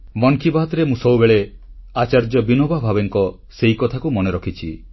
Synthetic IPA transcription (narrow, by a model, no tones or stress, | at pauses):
mɔŋkʰibaɦt̪ɾemũsɔwbeɭe | at͡ʃaɾd͡ʒɔbinobʱabʱabeŋkɔ | seikɔt̪ʰakumɔneɾɔkʰit͡ʃʰi